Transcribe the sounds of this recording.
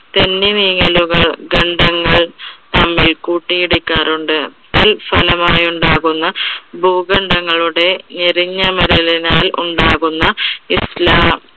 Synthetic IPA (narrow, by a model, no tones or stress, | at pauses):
t̪enːiniːŋɐluɣɐɭɡɐɳɖʱɐŋːɐɭt̪ɐmːilkuːʈːijiɽikʲːaːɾuɳɖɨt̪ilfɐlɐmaːjuɳɖaːɣunːɐbʱuːɡɐɳɖɐŋːɐɭuɽe̞neɾiɲːɐmɐɾɐlinaːlṵɳɖaːɣunːɐislaːm